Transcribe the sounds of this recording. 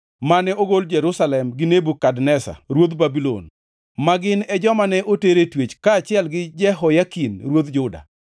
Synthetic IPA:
manɛoɡold͡ʒɛɾusalɛmɡɪnebukadnɛsa̰ɾwod̪babilo̰n | maɡɪnɛd͡ʒɔmanɛʔoteɾetwet͡ʃkaːt͡ʃɪɛlɡɪd͡ʒɛɦɔjakinɾwod̪d͡ʒʊda̰

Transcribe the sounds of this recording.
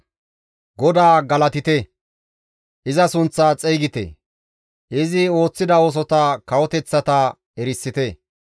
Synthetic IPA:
ɡɔd̪aːɡɐlɐt̪ɪt̪ɛ | ʔɪzɐsʊnt͡sːaːt͡sʼɛjɡɪt̪ḛ | ɪzɪo̞ːt͡sːɪd̪ɐoːs̬ɔt̪ɐkɐwɔt̪ɛt͡sːɐt̪a | ɛɾɪsːɪt̪ɛ

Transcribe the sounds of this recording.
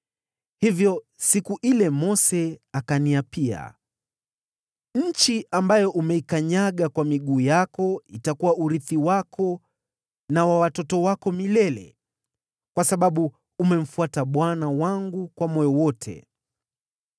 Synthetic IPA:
hivjɔ | sikuʔilɛmɔsɛakaniapia̰ | ɲ̩t͡ʃiʔambajɔʔumɛikaɲaɠakwamiɠuːjakɔitakuwaʔuɾiθiwakʰɔ | nawawatɔtɔwakɔmilɛlɛ̰ | kwasaɓaɓuː | mɛm̩fuataɓwanawaŋɡukwamɔjɔwɔtʰɛ̰

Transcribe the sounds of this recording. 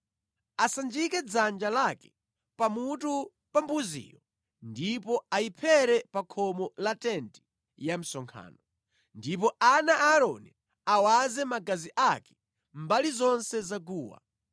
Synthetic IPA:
asand͡ʒikɛd͡zand͡ʒalakɛ̥ | pamutu | pambuzḭːjɔ | ndipɔaipʰɛɾɛpakʰɔmɔlatɛnti̥ | jam̩sɔŋkʰa̰ːnɔ | ndip̬ɔanaʔaɾɔ̰nɛ | awazɛmaɡaziʔakɛ̥ | mbalizɔnsɛzaɡuːwa̰

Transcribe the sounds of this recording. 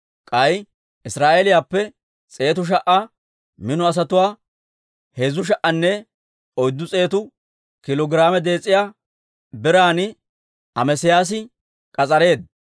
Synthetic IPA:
kʼɐj | ʔɪsɾaːʔɛlɪjaːpːɛ | t͡sʼe̞ːt̪ʊʃ̬ɐʔa | mɪnʊɐs̬ɐt̪ʊwaː | heːzʊʃ̬ɐʔɐnːɛ | ɔjd̪ːʊt͡sʼe̞ːt̪ʊ | kɪlɔɡɪɾaːmɛd̪e̞ːt͡sʼːɪjaː | bɪɾaːnɪ | ʔɐmɛsɪjaːs̬ɪ | kʼɐt͡sʼɐɾe̞ːd̪

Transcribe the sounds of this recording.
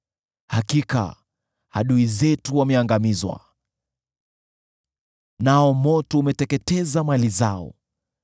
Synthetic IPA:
hakika̰ | haɗuizɛtuwamɛaŋɡamizwa̰ | naɔmɔtɔumɛtɛkɛtɛzamalizaɔ̰

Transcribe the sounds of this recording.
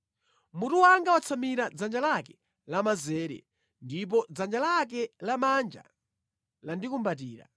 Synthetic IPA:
mutuwaŋɡawat͡sʰamiɾad͡zand͡ʒalakɛ | lamazɛːɾɛ̰ | ndip̬ɔd͡zand͡ʒalak̬ɛlamand͡ʒa̰ | landikumbat̬iːɾa̰

